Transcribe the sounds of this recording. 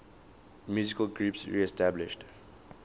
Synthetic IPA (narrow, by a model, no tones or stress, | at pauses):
mjuːzɪkəlɡɹuːpsɹḭɛstæblɪʃt